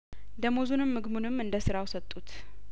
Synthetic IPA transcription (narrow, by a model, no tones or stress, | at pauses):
d̪əmozunɨmːɨɡmunɨmːɨnd̪əsɨɾawsət̪ʼːut̪